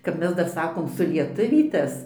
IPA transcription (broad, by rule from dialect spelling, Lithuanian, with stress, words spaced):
ˈkɐp ˈmʲɛs ˈdɐr ˈsɑːkoːm sʊlʲiɛˈtʊʋʲiːtɐs